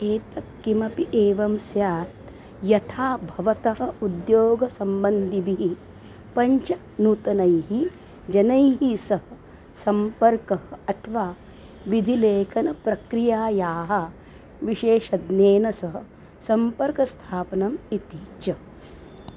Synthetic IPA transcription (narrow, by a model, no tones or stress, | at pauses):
eːt̪ɐkːimɐpiʔeːʋɐmsjaːt̪ | jɐt̪ʰaːbʱɐʋɐt̪ɐɦɐ̆ud̪joːɡɐsɐmbɐnd̪ʱibiɦi | pɐɲt͡ʃɐ | nut̪ɐnɐjɦi | d͡ʒɐnɐjɦisɐɦɐ̆ | sɐmpɐɾkɐɦɐɐt̪ʰɐʋaː | ʋid̪ʱileːkʰɐnɐpɾɐkɾijaːjaːɦɐ | ʋiʃeːʃɐd̪neːnɐsɐɦɐ̆ | sɐmpɐɾkɐst̪ʰaːpɐnɐmit̪iːt͡ʃɐ